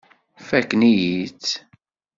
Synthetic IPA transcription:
fækːnijit͡sː

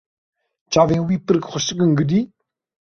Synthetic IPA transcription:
t͡ɕavenwipəɾək̚χʰoɕəkːəŋɡəd̪i

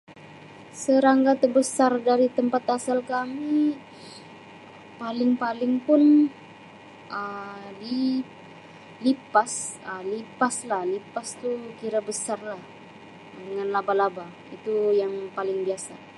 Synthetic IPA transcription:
səɾaŋɡat̪əbəsardaɾit̪əmpat̪asalkami | palɪŋpalɪŋpʊn | ədi | lipasəlipaslahlipast̪ukiɾabəsarlah | dəŋanlabalaba | it̪ujaŋpalɪŋbiasa

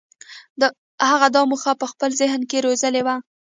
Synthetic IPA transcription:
d̪ə | haɣad̪ɑmuxɑpəxpəlzɪɦnkeɾozəlewa

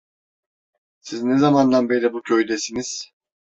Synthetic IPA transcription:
siznezamand̪anbejlʲɛbucʰøjd̪esiniz̥

